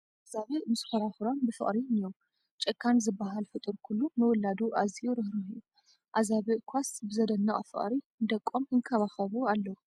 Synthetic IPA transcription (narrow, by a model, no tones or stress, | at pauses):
ʔazaβɨmɨsxɐɾaxɾonbɨfɨ̰χʼɾiɨnjow | t͡ʃʼɨkʰːanzɨbːaɦalfɨt̪ʼɨɾkʰulːumɨwɔlːad̪uʔazijuɾɨhɾuiju | ʔazaβɨkʷʰasbɨzɐd̪ɐnːɐʔʼfɨ̰ʔʼɾi | nd̪ɐkʼːomhɨŋkʰɐβaxɐβualːɐwu